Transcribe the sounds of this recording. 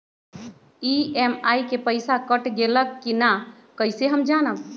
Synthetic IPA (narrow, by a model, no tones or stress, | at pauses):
iemajkepəjsakəʈɡeləkːina | kəɪseɦəmd͡ʒanəb